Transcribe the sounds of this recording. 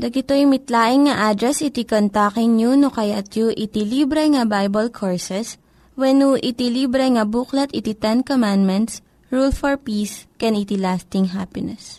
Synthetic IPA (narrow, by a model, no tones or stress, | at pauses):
d̪ɐɡɪt̪ojʊmɪt̪laːʔɪŋːɐʔad̪ɾɛsɪt̪ikont̪akɪŋɲunokɐjat̪juʔɪt̪ilibɾɛŋɐbajbɐlkʰoɹsɛs | wɛnuʔɪt̪ilibɾɛŋɐbuːklɐt̪ʔɪt̪it̪ɛnkomãnd̪mɛnt̪s | ɹulfɔɹpiːskɛnit̪ilast̪ɪŋɦapɪnɛs